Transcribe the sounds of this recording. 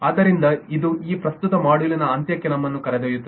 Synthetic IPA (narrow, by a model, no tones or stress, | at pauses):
aːd̪ɐɾind̪ɐid̪uiːpɾɐst̪ut̪ɐmaːɽulɐnɐɐnt̪jɐkːenɐmːɐnːukɐɾed̪eːjut̪ːɐ